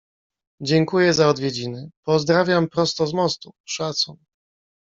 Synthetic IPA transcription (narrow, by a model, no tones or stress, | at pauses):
d͡ʑɛŋkujɛzaɔd̪vʲjɛd͡ʑinɘpɔzd̪ɾavʲjampɾɔst̪ɔzmɔst̪uʂat̪sun